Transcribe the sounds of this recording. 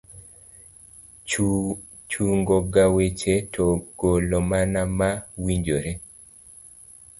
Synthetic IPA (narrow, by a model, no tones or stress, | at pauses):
t͡ʃuŋɡoɡawet͡ʃetʰɔɡ̥olɔmanamawiɲd͡ʒoɾe